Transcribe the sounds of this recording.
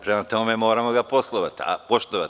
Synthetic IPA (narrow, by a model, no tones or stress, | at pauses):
pɾemat̪ɔmomɛmoːɾamɔɡaposlˠɔʋat̪a̰poʃt̪ɔʋat̪